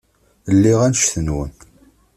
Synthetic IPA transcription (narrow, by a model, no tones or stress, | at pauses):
lːiʁænʃθənwən